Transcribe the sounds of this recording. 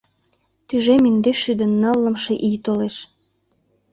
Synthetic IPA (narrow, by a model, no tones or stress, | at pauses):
t̪yʒemind̪eʃyd̪ə̆nːɑlːəmʃeʔijt̪oleʃ